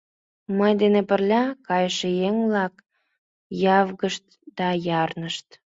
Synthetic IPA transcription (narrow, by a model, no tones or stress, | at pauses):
məjd̪enepərlʲɑkɑjəʃejeŋvlɑk | jɑvɣəʃt̪̚ | d̪̥ɑjɑrnəʃt̪